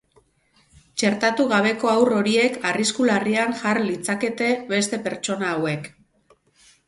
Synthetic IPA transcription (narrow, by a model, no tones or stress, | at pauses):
t͡ʃe̞ɾt̪at̪uɣaβ̞e̞ko̞awro̞ɾie̞kʰariskulariaŋʝarlit͡sake̞t̪e̞βe̞st̪e̞pe̞ɾt͡ʃo̞naːwe̞k